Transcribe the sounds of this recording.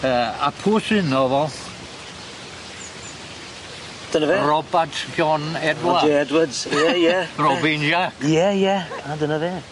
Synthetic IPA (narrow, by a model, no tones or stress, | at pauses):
əːa̰pʰuːsɪnɔvɛlˠ | d̥ənəverɔbatʰɡjɔnɛdwaɛɛdwədz̥jɛjɛrɔvinjakjɛjɛɡ̥ʰadənəveː